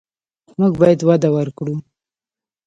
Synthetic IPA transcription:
muɡbɑjad̪wad̪awəɾkɽu

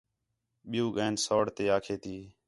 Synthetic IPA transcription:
ɓɪjuːɡaːnsoːɽt̪eːaːkʰeːt̪ʰiː

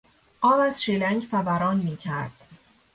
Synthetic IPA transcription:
ʔɒːvæz̥ʃiːlæŋɟfæbæɾɒːnmiːcʰæɾd̪̥

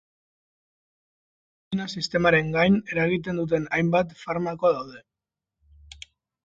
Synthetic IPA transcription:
nasist̪e̞maɾe̞ŋɡajne̞ɾaɣit̪e̞nd̪ut̪̬e̞najmbat̪faɾmako̞ð̞awðe̞

